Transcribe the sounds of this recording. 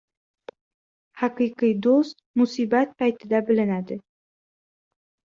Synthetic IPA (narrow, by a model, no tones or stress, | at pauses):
hɑqɨjqɨjd̪ost̪musibɑt̪̚pɑjt̪ɪd̪ɑbɪ̆lɪnæd̪ɪ